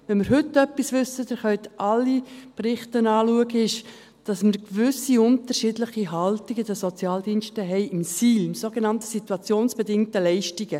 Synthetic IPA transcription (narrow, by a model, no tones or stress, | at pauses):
ʋɛnmɪɾɦʏtːœpːisvʏsədɛχœʏt̪ʔɑlːiprɪχtənɑːluəɡəɪʃ | d̥ɑsməɾkvʏsiʊntəɾʃidləχiɦɑltiɡəd̥̪əsot͡sjɑːldiːnʃtəɦɛɪʔɪmsiːlɪmsoɡenɑntəsituɑt͡sjoːnsb̥edɪŋtəlɛɪʃtiɡə